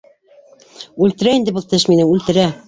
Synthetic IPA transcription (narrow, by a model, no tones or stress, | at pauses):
ʉlt̪ɘ̆ɾæind̪ɘbɤlˠt̪ɘʃminɘŋʉlt̪ɘ̆ɾæ